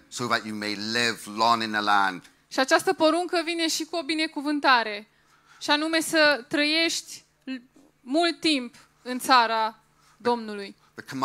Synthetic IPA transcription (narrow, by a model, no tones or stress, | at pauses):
soʊðət͡ʃəmeɪlɪvlɔ̃ŋɪ̃nðəlãnd̥ | ʃiat͡ʃast̪əpo̞ɾuŋkəvine̞ʃikuo̞bine̞kuvɨnt̪aɾe̞ | ʃianume̞sət̪ɾəje̞ʃt̪ʲ | mult̪ːimp | ɨnt̪saɾa | d̪o̞mnuluj | ðəkʰəm